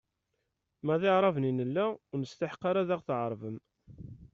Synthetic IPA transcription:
mæðɪʕɾˤɑvninəlːæʊnəst̪aħqɑɾaðaʁθʕəɾˤvəm

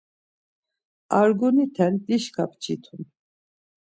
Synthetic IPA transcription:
aɾɡunit̪ʰɛnd̪iʃkʰap̚ʰt͡ʃʰit̪ʰun

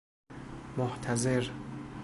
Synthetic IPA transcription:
moht̪ʰæzeɾ

